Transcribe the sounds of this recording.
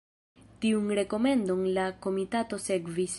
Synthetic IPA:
tiunɾe̞ko̞me̞ndo̞nlako̞mitato̞se̞ɡvis

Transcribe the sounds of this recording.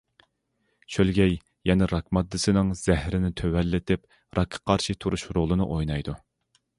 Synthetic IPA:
t͡ʃʰølɡʲɛj | jɛnɛɾɑkmɑd̪ːɨsɨnɨŋz̥ɛhɾɪnɪt̪ʰøwɛlːɪt̪ʰɪp | ɾʔɑkʰɑ̥qʰɑɾʃit̪ʰuɾuʃɾolˠɨnɨʔojnɑjd̪u

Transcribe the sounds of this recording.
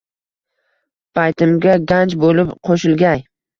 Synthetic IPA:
pʰajt̪ʰɪmɡʲaɡʲant͡ʃbolɪpqʰoʃɪlˠɡʲaj

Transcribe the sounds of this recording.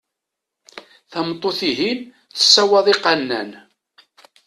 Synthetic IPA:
θəmt̪ˤːoθiɦin | θə̥sːæwɑðˤiqɑnːæ̰n

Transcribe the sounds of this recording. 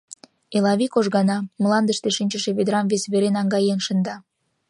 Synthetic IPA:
elɑβikoʒɣɑnɑmlˠɑnd̪əʃt̪eʃinʲt͡ɕəʃeβed̪ɾɑmvesβeɾenɑŋɡɑjenʃə̆nd̪ɑ

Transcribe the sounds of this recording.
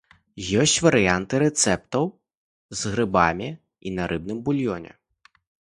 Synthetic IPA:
jɔsʲt͡sʲvɐɾɨjant̪ɨɾɛt̪sɛp̚t̪ɐw | zɣɾɨbamʲi | inɐɾʔɨb̚nɨmbulʲjɔnʲɛ̰

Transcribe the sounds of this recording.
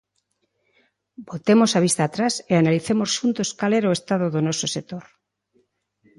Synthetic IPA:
bot̪emosaβ̞ist̪aːt̪ɾaseanaliθemosʃunt̪oskalɛɾoest̪að̞oðonɔsosek̚t̪oɾ

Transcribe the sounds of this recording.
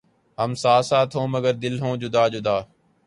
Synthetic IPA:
ɦəmsaːsaːt̪ʰõːməɡəɾd̪ɪlɦõːd͡ʒʊd̪aːd͡ʒʊd̪aː

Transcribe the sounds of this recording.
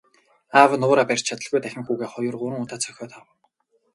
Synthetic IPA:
awnʊːɾapær̥ʲt͡ɕʰat̪ə̆ɮɣujt̪æxʲɪ̆ŋxuːɣeːχɔjʊ̆rɢʊɾə̆ŋʊːt̪aːt͡sʰœxʲɔːt̪awə̆

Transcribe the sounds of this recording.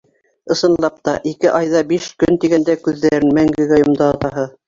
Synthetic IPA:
ɤ̆sɤ̆nlˠɑp̚t̪ɑʔikɘʔɑjðɑbiʃkɵnt̪iɡænd̪ækʉðːæɾɘnmæŋɡɘ̆ɡæjŏmd̪ɑɑt̪ɑɦɤ

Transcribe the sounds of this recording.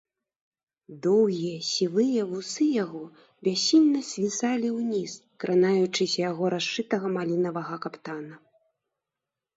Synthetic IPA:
d̪ɔwɣʲijɐsʲilˠɨjɐvusɨjaɣɔ | bʲasʲinʲnɐsʲvʲisalʲiwnʲiskɾʔanajut͡ʂɨsʲɐjaɣɔɾaʂɨt̪ɐɣɐmalʲinɐvɐɣɐkapt̪anɐ

